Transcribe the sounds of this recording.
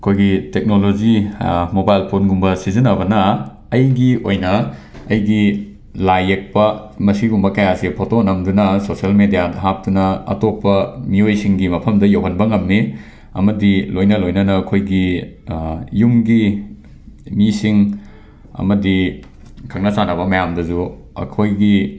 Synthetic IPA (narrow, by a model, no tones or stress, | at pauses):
ɐkʰojɡitek̚nolod͡ʒimobajlpʰonɡumbɐsizinɐbɐnɐː | jɡiojnɐː | jɡi | lajek̚pɐmɐsiɡumbɐkɐjasipʰotonɐmdunɐsosiɐlmedijadɐɦap̚tunɐɐ̰topːɐmiojsiŋɡimɐpʰɐmdɐjowɦɐnbɐŋɐmːi | ɐ̰mɐdilojnɐlojnɐnɐːkʰojɡi | jumɡi | misiŋ | ɐ̰mɐdi | kʰɐk̚nɐsanɐbɐmɐjamdɐzu | ɐ̰kʰojɡi